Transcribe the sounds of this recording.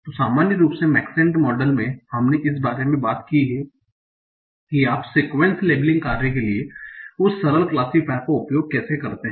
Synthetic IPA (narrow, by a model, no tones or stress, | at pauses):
t̪osaːmaːnjəɾuːpsemɛːksɪ̃ɳʈmɔːɖəlmẽhɐmneʔɪs̬baːɾemẽbaːt̪kiɦɛ | kiaːpseːkʋẽɳsleːblɪ̃ŋɡkaːɾnekelieʊsːɐɾəlklaːsipɛːkkoʊpjoːɡ̚kɛːsekɐɾt̪eɦ